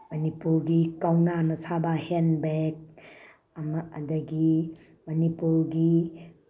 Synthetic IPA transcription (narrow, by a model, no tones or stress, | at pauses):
mɐnipuɾɡikawnanɐsʰabahenbek̚ | mːd̪ɐɡi | mɐnipuɾɡi